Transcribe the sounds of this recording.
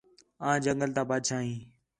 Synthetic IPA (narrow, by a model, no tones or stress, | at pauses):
ãːd͡ʒəŋɡəlt̪aːbaːd̪ʃʰaːɦĩː